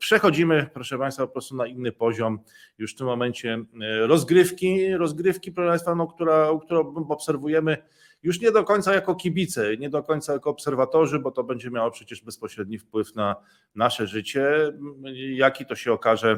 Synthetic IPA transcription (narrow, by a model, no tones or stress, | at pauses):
pʂɛxɔd͡ʑimɘpɾɔʂɛpaj̃st̪fapɔpɾɔst̪unainːɘpɔʑɔm | juʂft̪ɘmːɔmɛɲt͡ɕɛɾɔzɡɾɘfkʲiɾɔzɡɾɘfkʲipɾɔʂəɛpãjst̪fanɔkt̪uɾauk̚t̪uɾɔ̃ɔpsɛɾvujɛmɘ | juʂɲɛd̪ɔkɔɲʲt̪sajakɔkʲibʲit̪sɛɲɛd̪ɔkɔɲʲt̪sajakɔːpsɛɾvat̪ɔʐɘbɔt̪ɔbɛɲd͡ʑɛmjawɔpʂɛt͡ɕɛʐbɛspɔɕɾɛd̪̚ɲifpwɘfna | naʂɛʐɘt͡ɕɛ | jakʲit̪ɔɕɛɔkaʐɛ